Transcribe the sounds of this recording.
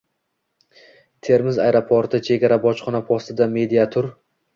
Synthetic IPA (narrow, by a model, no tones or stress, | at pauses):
t̪ʰe̞ɾmɪzajɾopʰoɾt̪ʰɪt͡ʃʰe̞ɡʲaɾabɒt͡ʃχɒnapʰɒst̪ɪd̪ame̞d̪iat̪ʰʊɾ